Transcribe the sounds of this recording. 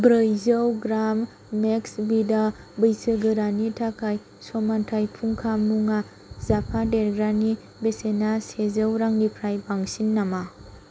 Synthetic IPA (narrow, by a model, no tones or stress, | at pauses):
bɾɯjzəwɡɾamː | eksbidabɯjsɯɡɯɾanitʰakʰaj | somantʰajpʰuŋkʰamːuŋa | zapʰadeɾɡɾani | besenasezɯwɾaŋlipʰɾajbaŋsinːama